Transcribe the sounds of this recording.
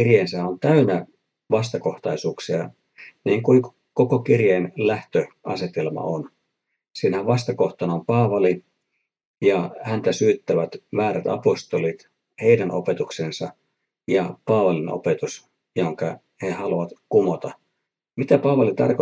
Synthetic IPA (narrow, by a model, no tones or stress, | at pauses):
irjeːnsæont̪æynæ | ʋɑst̪ɑko̞ht̪ɑisuːksiɑ | niːŋkui | kokokirjeːnlæht̪øʔɑ̰set̪elmɑ̰on | siːnæhæʋɑst̪ɑkoht̪ɑnɑompɑːʋɑli | jɑhænt̪æsyːt̪ːæʋæt̪ʋæːɾæt̪ɑ̰post̪olit̪ | he̞idænʔo̰pet̪uksensɑ | jɑpɑːʋɑlino̰pet̪us | joŋkɑ | hehɑluɑt̪kumot̪ɑ | mit̪æpɑːʋɑlit̪ɑ̰rko